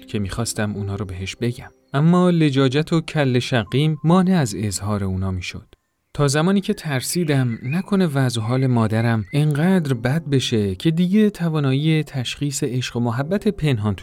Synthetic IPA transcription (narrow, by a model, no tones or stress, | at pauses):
cʰe̞miːxɒːst̪æmuːnɒːɾobe̞ɦe̞ʃbe̞ɟæm | ʔæmːɒːle̞d͡ʒɒːd͡ʒæt̪ʰocʰælːe̞ʃæɣiːmːɒːne̞æze̞zhɒːɾe̞uːnɒːmiːʃo̰d̪̥ | t̪ʰɒːzæmɒːniːcʰe̞t̪ʰæɾsiːd̪æmnækʰo̞ne̞væzoɦɒːle̞mɒːd̪æɾæmeŋɢæːd̪ɾbæd̪̚be̞ʃe̞cʰe̞d̪iːɟe̞t̪ʰævɒːnɒːiːet̪ʰæʃχiːse̞ʔeʃɢomoɦæbːæt̪ʰe̞pʰe̞nɦɒːnt̪ʰu